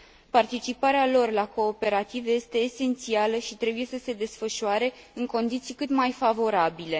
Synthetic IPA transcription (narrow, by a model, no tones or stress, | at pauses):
part̪it͡ʃipaɾealo̞rlako̞ːpe̞ɾat̪ivje̞st̪e̞ːse̞nt̪sialəʃit̪ɾe̞buje̞səse̞d̪e̞sfəʃuaɾe̞ | ɨŋko̞nd̪it̪sijkɨt̪majfavo̞ɾabile̞